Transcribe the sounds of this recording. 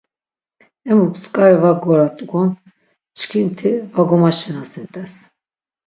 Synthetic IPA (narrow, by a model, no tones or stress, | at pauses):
ɛmukʰʼskʼaɛvaɡɔɾat̪ʼɡɔn | t͡ʃʰkʰint̪ʰivaɡɔmaʃɛnasɛnt̪ʼɛs